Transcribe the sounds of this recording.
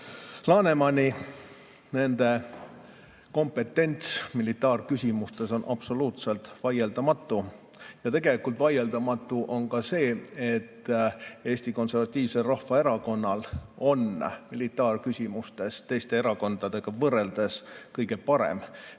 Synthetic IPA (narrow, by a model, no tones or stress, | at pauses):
lɑːne̞mɑnʲi | ne̞nd̪̥e̞ | ko̞mpe̞t̪ːˑe̞nʲt̪smilit̪ːɑːrkysʲimust̪e̞so̞nʔɑb̥so̞luːt̪se̞lt̪vɑjeld̪ɑmɑt̪ːˑujɑt̪e̞ɡ̥elikˑult̪vɑje̞ld̪ɑmɑt̪ːˑuʔo̞nkɑse̞ːet̪ːe̞ːsʲt̪iko̞nse̞rvɑt̪ʲːiːv̥se̞lrɑhvɑe̞ɾɑko̞nːɑlo̞nmilit̪ːˑɑːrkysʲimust̪e̞st̪e̞jst̪e̞eɾɑko̞nd̪̥ɑd̪e̞ɡ̥ɑvɤre̞ld̪̥e̞skɤjɡ̥e̞pɑɾḛm